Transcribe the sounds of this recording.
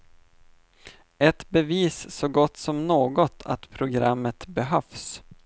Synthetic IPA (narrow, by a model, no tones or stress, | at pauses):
ɛt̪bɛviːsːɔɡɔt̪ːsɔmnoːɡɔt̪ʰa̰t̪pʰɾʊɡɾamːət̪bɛɦœfs